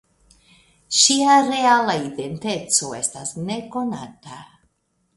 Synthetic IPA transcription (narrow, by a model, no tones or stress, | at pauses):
ʃiaɾe̞alaide̞nte̞t͡so̞e̞stasne̞ko̞na̰ta